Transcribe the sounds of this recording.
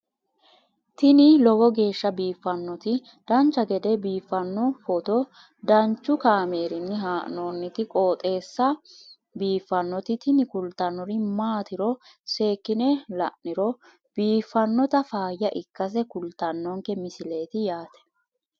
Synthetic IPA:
t̪ɪnɪlɔɡɔɡe̞ːʃːɐbiːfːɐnːɔt̪ɪ | d̪̥ɐnt͡ʃːɐɡɛd̪ɛbiːfːɐnːɔfɔt̪ɔ | d̪ɐnt͡ʃːʊkaːmeːɾɪnːɪɦaːʔnoːnːɪt̪ɪkʼoːt̪ʼe̞ːsːɐ | biːfːɐnːɔt̪ɪt̪ɪnɪkʊlt̪ɐnːɔɾɪmaːt̪ɪɾɔ | se̞ːkːɪnɛlɐ̰ʔɪɾɔ | b̥iːfːɐnːɔt̪ɐfaːjːɐʔɪkːɐs̬ɛkʊlt̪ːɐnːɔŋkɛmɪsɪle̞ːt̪ɪjaːt̪ɛ̥

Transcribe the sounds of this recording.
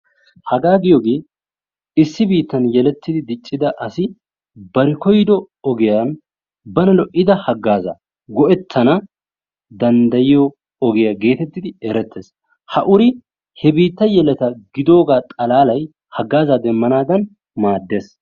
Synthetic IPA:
hɐɡaːɡɪjɔɡe̞ː | ɪsːɪbiːt̪ːɐnjɛlɛt̪ːɪd̪ɪd̪ɪt͡ʃʼːɪd̪ɐʔɐsɪ | bɐɾɪkɔjd̪ɔ | ɔɡɛjɐn | bɐnɐlɔʔʔɪd̪ɐhɐɡːaːzɐ̰ | ɡɔʔɛt̪ʰːɐnɐ | d̪ɐnd̪ɐjɪjɔː | ɡɛjɐɡe̞ːt̪ɛt̪ːɪd̪ɪɛɾɛt̪ːeːs | hɐʔʊɾɪ | hɛbiːt̪ːɐjɛlɛt̪ɐɡɪd̪o̞ːɡaːt̪ʼɐlaːlɐj | hɐɡːaːzad̪ɛmːɐnaːd̪ɐn | maːd̪ːeːs

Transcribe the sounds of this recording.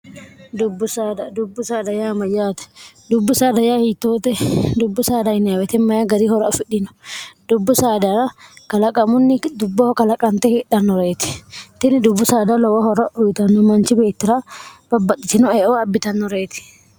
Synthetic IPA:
d̪ʊbːʊsaːd̪d̪ʊbːʊsaːd̪ɐjaːmɐjaːt̪ɛ̥ | d̪ʊbːʊsaːd̪ɐjaːhit̪ːoːt̪ɛd̪ʊbːʊsaːd̪aɪnːɪɐwɛt̪ɛmːɐjaɡɐɾiːhɔɾɐɔfɪᶑɪnʊ̥d̪ʊbːʊsaːd̪aɾɐkɐlɐkʼɐmʊnːɪd̪ʊbːɔhɔkɐlɐkʼɐnt̪ɛhɪᶑɐnːɔɾeːt̪ɪ̥t̪ɪnɪd̪ʊbːʊsaːd̪alɔwɐhɔɾɐʔʊjt̪ɐnːʊmɐnt͡ʃɪbeːt̪ːɪɾab̥ɐbːɐt̪ːɪt̪ɪnɔeːʔoɐbːɪt̪ɐnːɔɾeːt̪ɪ̥

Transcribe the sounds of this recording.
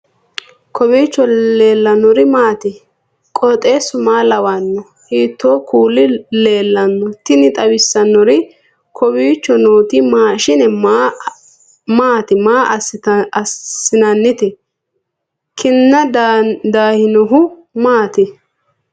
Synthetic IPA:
kʰɔbiːt͡ʃːɔle̞ːlːɐnɔɾɪmaːt̪ɪ | kʼɔt̪ʼeːsʊmaːlɐwanːɔ | hiːt̪ːoːkuːlɪle̞ːlːɐnːɔt̪ɪnɪt̪ʼɐwɪsːɐnːɔɾɪ | kʰɔbiːt͡ʃːɔnoːt̪ɪmaːʃɪnɛ | maːt̪ɪmaːʔɐsːɪnɐnːɪt̪ɛ | kʰɪnːɐd̪aːhɪnɔɦʊmaːt̪ɪ

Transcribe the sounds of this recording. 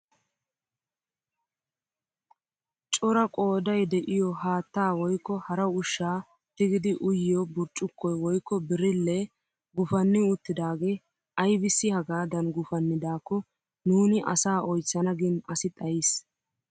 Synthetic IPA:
t͡ʃʼɔɾɐkʼoːd̪ɐjd̪ɛʔɪjɔhaːt̪ːaːwɔjkːɔhɐɾɐʊʃːaː | t̪ɪɡɪd̪ɪʔʊjɪjɔbʊɾt͡ʃʼːʊkːɔjwɔjkːɔbɪɾɪlːɛ | ɡʊfɐnːɪʊt̪ːɪd̪aːɡe̞ː | ʔɐjbɪsːɪhɐɡaːd̪ɐnɡʊfɐnːɪd̪aːkːɔ | nuːnɪʔɐ̰saːʔɔjt͡sːɐnɐɡɪnɐsɪt̪ʼɐjɪs

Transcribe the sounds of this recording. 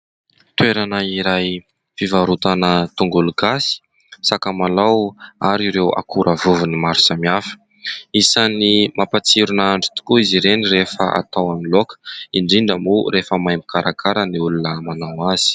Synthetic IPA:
t̪weɾanaiɾaj | fivaɾut̪anət̪uŋɡuluɡasi̥ | sakəmalawaɾiɾewa̰kʰuɾʔavuvunimaɾu̥samiafə̥ | isanimapat͡siɾunaɳɖ͡ʐi̥t̪u̥kuiziɾenirefəa̰t̪awamilokə̥iɳɖ͡ʐiɳɖ͡ʐəmuɾefəmajmikaɾʔakʰaɾəniulunəmanawaz̥i̥

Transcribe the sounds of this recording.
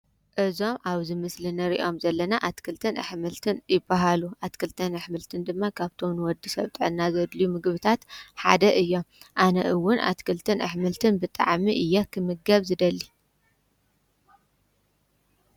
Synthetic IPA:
ʔɨzo̞mʔaβzɨmɨslɨnɐɾḭʔo̞mzɐlːɐnaʔat̪kʰɨlt̪ʰɨnʔɨ̰ħmɨlt̪ʰɨnjɪbːaɦaluʔat̪kʰɨlt̪ʰɐnɨħmɨlt̪ʰɨnd̪ɨmːakʰaβt̪ʰo̞mnɨwɔd̪ːɨsɐβt̪ʼɨʕɨnːazɐd̪lijumɨɡβɨt̪ʰat̪ħa̰d̪ɐʔɨjːo̞mʔanɐʔɨwʊnʔa̰t̪kʰɨlt̪ʰɨnʔɨ̰ħmɨlt̪ʰɨnbɨt̪ʼa̰ʕmiʔɨjːɛkʰɨmɨɡɐβzɨd̪ɐlːi

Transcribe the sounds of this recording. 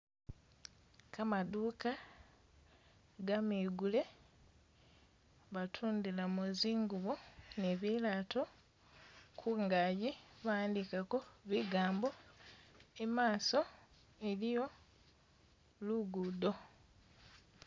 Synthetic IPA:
kamaduːka | ɡamiːɡule̞ | βatʰuːndilamuziːŋɡuβoneβilaːtʰo̞ | kʰuŋɡajiβaːndikako̞βiɡaːmbo̞ | emaːso̞ | elijo̞ | luɡudo̞

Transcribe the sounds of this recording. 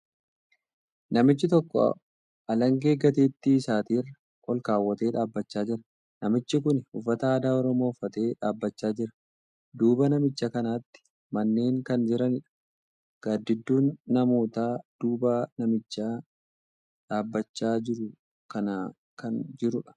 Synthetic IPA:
nɐmɪt͡ʃːɪt̪ɔkːɔ̰ | ʔɐlɐŋɡe̞ːɡɐt̪eːt̪ːiːsaːt̪iːrːɐ | ʔɔlkaːwːɐt̪e̞ːᶑaːbːɐt͡ʃːaːd͡ʒɪɾɐ | nɐmɪt͡ʃːɪk̬ʊnhʊfːɐt̪ɐaːd̪aːɔɾɔmo̞ːfːɐt̪e̞ːᶑaːbːɐt͡ʃːaːd͡ʒɪɾɐ̥ | d̪uːbɐnɐmɪt͡ʃːɐkɐnaːt̪ːɪ̥ | mɐnːe̞ːŋkɐnd͡ʒɪɾɐnɪᶑɐ̥ | ɡ̥ad̪ːɪd̪ːuːnːɐmo̞ːt̪aːd̪̥uːbaːnɐmɪt͡ʃːaː | ᶑaːbːɐt͡ʃːaːd͡ʒɪɾʊ | kɐnɐ | kɐnd͡ʒɪɾʊᶑɐ̥

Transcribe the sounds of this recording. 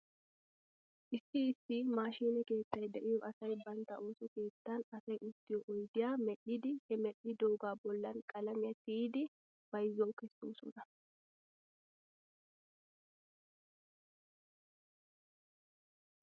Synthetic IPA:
ʔɪsːɪːsːɪmaːʃiːnɛke̞ːt̪ːɐjd̪ɛʔɪjɔʔɐsɐjbɐnt̪ɐʔo̞ːsɔke̞ːt̪ːɐnɐsɐjʔɪst̪ːɪjɔʔɔjd̪ɪjaːmɛɗːɪd̪ɪhɛmɛɗɪd̪oːɡaːbɔlːɐnkʼɐlɐmɪjɐt̪ɪid̪ɪ | b̥ɐjzɔwkɛsːoːsɔnɐ

